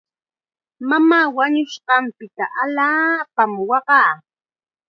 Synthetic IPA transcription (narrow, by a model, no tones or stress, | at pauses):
mamaːwaɲʊʃɢɑmpɪt̪aʔaʎaːpamwɑɢɑː